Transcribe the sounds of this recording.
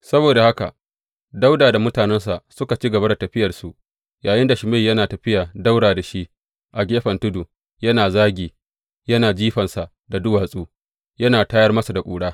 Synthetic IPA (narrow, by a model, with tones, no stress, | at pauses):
sɐ˦boː˨da˨ha˦ka̰˨ | da˦wdaː˨da˨mʊ˦taː˨nɛ˦ns̬a˨sʊ˦ka˨t͡ʃi˦ɡɐ˨ba˦da˨tɐ˨ɸɪ˦jɐ˨rsu˨ʔ | jaː˨jɪ˦nda˨ʃɪ˨me˦˨jɐ˦naː˨tɐ˨ɸɪ˦jaː˨da˦wɽaː˨da˨ʃi˦ | ʔa˨ɡʲeː˦ɸɐ˨ntʊ˦du˨ | jɐ˦naː˨zaː˦ɡʲiː˨ | jɐ˦naː˨d͡ʒiː˦ɸɐ˨nsa˨ʔ | da˨dʊ˦waː˨sʼuː˦ | jɐ˦naː˨taː˦jɐ˦rmɐ˦su˨da˨kʷʼuː˨ɽaː˦